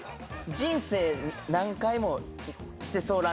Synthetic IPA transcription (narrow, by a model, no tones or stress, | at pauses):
d͡ʑĩɰ̃se̞ːnãŋkaimo̞ɕi̥t̪e̞so̞ːɾã